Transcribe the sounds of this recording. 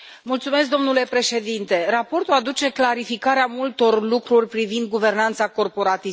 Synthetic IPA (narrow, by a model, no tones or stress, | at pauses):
mult̪sume̞s̬k̚d̪o̞mnule̞pɾe̞ʃe̞d̪int̪e̞ɾapo̞rt̪uad̪ut͡ʃe̞klaɾifikaɾeamult̪o̞rlukɾurʲpɾivind̪̚ɡuve̞rnant̪sako̞rpo̞ɾat̪i